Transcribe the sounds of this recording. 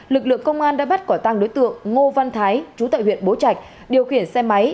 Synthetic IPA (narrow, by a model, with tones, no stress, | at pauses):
lɨ˨˩k̚lɨ̰˧˨əŋkə˧wŋ͡mʔaː˧nɗa̰ː˧˥ɓa˦˥t̚kɔ˧˩t̪a˧ŋɗo˨˦jt̪ɨ̰˧˨əŋːo˧va˧nt̪ʰaː˨˦jt͡ɕu˨˦t̪a̰ː˧˨jhwḭ˧˨ənɓo˨˦t͡ɕa˨˩jk̟̚ | ɗi˨˩əwxi˧˩ənsɛ˧ma˨˦j